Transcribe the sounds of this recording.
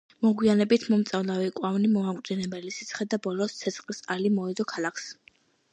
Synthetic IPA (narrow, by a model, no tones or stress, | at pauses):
mɔɡwianɛbit̪ʰmɔmt̪sʼavlavikʼwavnimɔmakʼt̪zʼinɛbɛlisi̥t̪sʰχɛd̪abɔlɔst̪sʰɛt̪sʰχlisalimɔɛd̪ɔkʰalˠakʰs